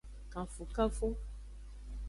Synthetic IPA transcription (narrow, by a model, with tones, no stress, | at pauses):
kã˨fu˨ka˦fo˦